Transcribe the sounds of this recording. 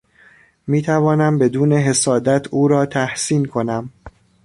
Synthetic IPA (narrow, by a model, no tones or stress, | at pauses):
miːt̪ʰævɒːnæmbe̞d̪uːne̞ɦe̞sɒːd̪æt̪ʰuːɾɒːt̪ʰæhsiːnkʰo̞næm